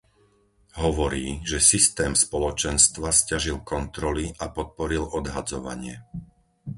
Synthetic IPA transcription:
ɦɔʋɔɾiːʒɛsist̪ɛːmspɔlɔt͡ʃɛnst̪ʋascaʒilkɔnt̪ɾɔliʔapɔt̪̚pɔɾilɔd̪ɦad͡zɔʋa̰ɲɪɛ

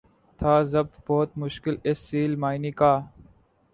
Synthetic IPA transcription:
t̪ʰaːzɐb̚t̪bɔːt̪̚mʊʃkɪlɪsːiːlmaːiniːkaː

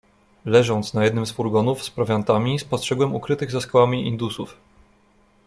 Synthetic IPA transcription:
lɛʐɔnt̪snajɛd̪nɘmsfuɾɡɔnufspɾɔvʲjant̪amʲispɔstʂɛɡwɛmukɾɘt̪ɘɣzaskawamʲiʔḭnd̪usuf

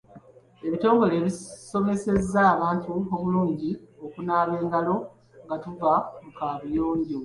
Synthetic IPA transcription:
e̞βito̞ːŋɡo̞le̞ːβiso̞me̞se̞zːaːβaːntuoβuluːɲɟio̞kunaːβe̞ːŋɡalo̞ | ŋɡatuvamukaːβujoːɲɟo

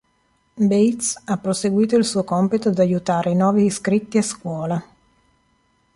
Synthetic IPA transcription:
bejt̪sapːɾoseɡwiːt̪oilsuokɔmpit̪od̪ajut̪aːɾenɔːviskɾit̪ːiaskwɔːla

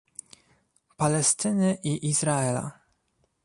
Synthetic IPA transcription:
palɛst̪ɘnɘʔiʔizɾaɛla̰

